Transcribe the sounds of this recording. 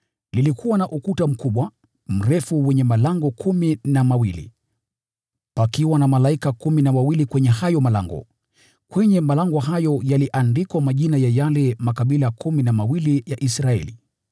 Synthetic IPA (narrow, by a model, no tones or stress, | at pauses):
lilikuwanaʔukutam̩kuɓwa | m̩ɾɛfuwɛɲɛmalaŋɡɔkʰuminamawilḭ | pakiwanamalaikakuminamawilikwɛɲɛhajɔmala̰ŋɡɔ̰ | kwɛɲɛmalaŋɡɔɦajɔjaliʔandikwamaʄinajajalɛmakaɓilakʰuminamawilijaʔisɾaɛ̰lḭ